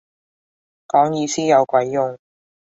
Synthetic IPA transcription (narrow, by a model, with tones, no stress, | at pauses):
kɔː˨˥ŋjiː˨˧siː˥jɐ˨˧wkʷwɐ˨˥jːʊ˨˧ŋ